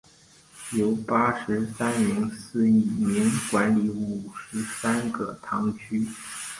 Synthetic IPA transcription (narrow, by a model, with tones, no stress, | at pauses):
jo˧˥ʊpa˥ʂɻ̩˧˥sa˥ni˧˥ŋsɹ̩˥˩i˨˩mi˧˥nkwa˧˥nli˧˥u˨˩ʂɻ̩˧˥sa˥nɡə˥˧t̪ʰɑ˧˥ŋt͡ɕʰy˥